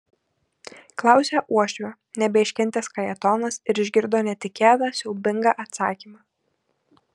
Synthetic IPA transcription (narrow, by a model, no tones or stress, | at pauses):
klˠɑˑʊsʲæʔuɔʃʲʋʲoː | nʲɛbʲɛɪʃʲkʲɛnʲt̪ʲɛskɐjɛt̪ɔːnɐsɪɾɪʒʲɡʲɪɾd̪oːnʲɛt̪ʲɪkʲæːd̪ɑːsʲɛʊbʲɪŋɡɑʔɐt̪sɑ̰ːkʲiːmɑː